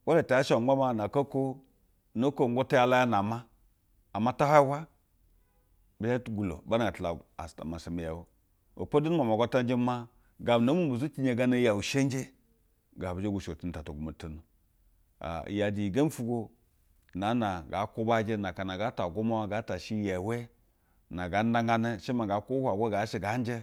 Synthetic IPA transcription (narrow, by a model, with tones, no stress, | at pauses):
wa˦le˨ta˨ja˦ʃa˨˦a˦ma˦˨na˨ka˦ko˦ | no˦ko˦˨ŋɡo˦ta˦ja˦la˦ja˦na˨ma˦ | a˨mːa˦ta˦ha˦wa˦ | bi˨d͡ʒa˦tɡu˨lo̰˨ba˦na˨ɡa˨tla˨a̰˨sta̰˨ma˨sa˨mi˨ja˨wo˦ | o̰˨po˦du˦n˦ma˨m˨a˨ɡʷa˦ta˦d͡ʒe˦ma˦ | ɡa˨m˨na˨˦mu˦u˨zu˦ki˦ɲe˨ɡa˦na˦ja˨wu˨ʃe˦n˦d͡ʒe˦ | ɡa˨bi˨d͡ʒe˦ɡu˨ʃo˨ti˦n˨ta˨to˨ɡu˨ma˨ti˦n˨ | a̰˨ja˨di˨i˨ɡa˦n˦fu˦ɡo˦ | na˨˦na˨ɡa˨˦ko˦ba˦d͡ʒe˦na˨ka˨na˨ɡa˦ta˨ɡo˦ma˦wa˦ɡa˦ta˨ʃi˦ja˨we˦ | na˨ɡa˦n˦da˦ŋɡa˦ne˦ʃe˦ma˨ɡa˨ko˦wa˨ɡʷe˦ɡa˨˦ʃe˨ɡa˨˦n˦d͡ʒe˦